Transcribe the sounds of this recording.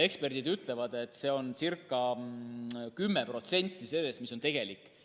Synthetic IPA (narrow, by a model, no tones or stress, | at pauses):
e̞kspe̞rd̪̥id̪yt̪ˑle̞vɑd̪e̞t̪ːˑse̞ːo̞nsirkˑːɑ | kymːe̞pro̞t̪se̞nʲt̪ːˑise̞lːesmiso̞nt̪e̞ɡ̥e̞likːˑ